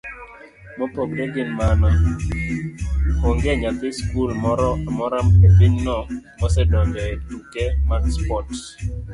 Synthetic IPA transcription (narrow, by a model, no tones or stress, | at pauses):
mɔpokɾeɡɪnmanɔ | oŋɡɛɲat̪eskulɔɾɔmɔɾamepɪɲnɔŋmɔsɛdɔɲd͡ʒɔɛtukɛmakspɔt